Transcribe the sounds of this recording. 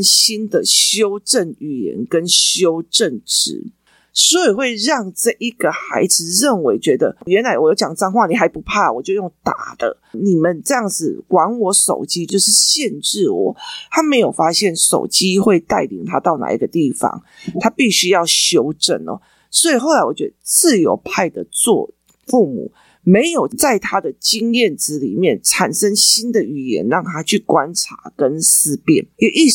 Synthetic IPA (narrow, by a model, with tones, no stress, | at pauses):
nɕi˦nd̪ə˨ɕjo˦˥ʊʈ͡ʂə˥˩ny˩˨˩jɛ̰˧˥nkə˦nɕjo˦˥ʊʈ͡ʂə˥˩nʈ͡ʂɻ̩̰˨˩˦ | sɔ˧˥i˨˩xwe˥˧ɪɻɑ˥˧ŋʈ͡ʂɤ˥˩ʔi˧˥ɡ̥ə˨xa˧˥ɪd͡zɹ̩˧˨ɻə˥˩nwe˧˥ɪt͡ɕɥɛ˧˦˥d̪ə̰˧ɥɛ˧˦nla˧˥ɪwɔ˨jʊt͡ɕjɑ˨˩ŋt͡sa˥˧ŋxwa˥˩ni˨˩ɦa˧˥ɪpu˧˦˥pʰa˥˩˨wɔ˨˩t͡ɕjo˥˧ʊjo˥˩ŋt̪a̰˨˩d̪̥ə̰˦ | ni˨˩mə˨nʈ͡ʂɤ˥˧jɑ˥˩ŋd͡z̩˨˩kwa˧˥nwɔ˧˥ʂo̰˨˩ʊt͡ɕi˦˥t͡ɕjo˥˧ʊʂɻ̩˥˧ɕjɛ˥˧nʈ͡ʂɻ̩˥˩wɔ̰˨˩˦t̪ʰa˦˥me˧˥ɪjo˨˩ʊfa˦˥ɕjɛ˥˩nʂo̰˨˩ʊt͡ɕi˦˥xwe˥˧ɪt̪a˥˩ɪlḭ˨˩ŋt̪ʰa˦t̪ɑ˥˩ʊna̰˨˩ḭ˧˥ɡə˨t̪i˥˩fɑ̰˧˦ŋ | t̪ʰa˥pi˥˩ɕy˥jɑ˥˩ʊɕjo˧˥ʊʈ͡ʂə̰˨˩nɔ̰˨˩ | swɔ˧˥i˨˩xo˥˩ʊla˦ɪwɔ˨˩t͡ɕɥɛ˧˦˥d̪ə˨t͡sɹ̩˥˨jo˧˥ʊpʰa˥˩ɪd̪ə˩t͡swɔ̰˥˧ | fu˥˩mṵ˨˩˦ | me˨˦˥ɪjo˨˩ʊt͡sa˥˩ɪt̪ʰa˦˥d̪ə˨t͡ɕi˥ŋjɛ˥˩nʈ͡ʂ̩˧˥lḭ˨˩mjɛ˥˩nʈ͡ʂʰa˨˩nʂə˥ŋɕi˥nd̪ə˨y˨˩jɛ̰˧˥nɻɑ˥˩ŋt̪ʰa˥t͡ɕʰy˥˩kwa˦nʈ͡ʂʰa̰˧˥˦kə˦˥nsɹ̩˥pjɛ̰˥˩njɛ˨˩ʔi˥˧